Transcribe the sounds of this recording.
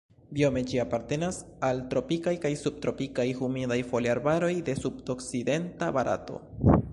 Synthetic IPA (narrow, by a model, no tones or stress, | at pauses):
bio̞me̞d͡ʒiapaɾte̞nas | altɾo̞pikajkajsub̚tɾo̞pikajhumidajfo̞liaɾbaɾo̞jde̞sub̚okside̞ntabaɾʔa̰to̞̰